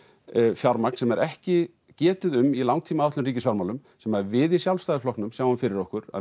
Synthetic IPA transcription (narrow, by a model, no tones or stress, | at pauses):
fjaɾmaknsɛmɛɾʔɛhcɪ | cɛːt̪ʏðʏmilawŋt̪ʰiːmaɛt̪ʏriːcɪsfaɾmawlʏmsɛmavɪðisjawlst̪ajðɾflɔhknʏmsjaːwamfɪɾɪɾɔhkʏɾa̰